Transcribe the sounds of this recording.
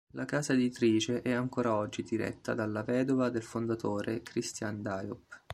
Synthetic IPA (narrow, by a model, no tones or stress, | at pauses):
lʔakaːzaed̪it̪ɾiːt͡ʃeʔɛaŋkoːɾaɔd͡ʒːid̪iɾɛ̰t̪ːa̰d̪alːavɛːd̪ovad̪elfond̪at̪oːɾekɾist̪jand̪ajup